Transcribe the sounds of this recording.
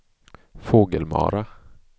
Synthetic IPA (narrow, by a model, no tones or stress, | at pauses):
foːɡəlmɑ̰ːɾa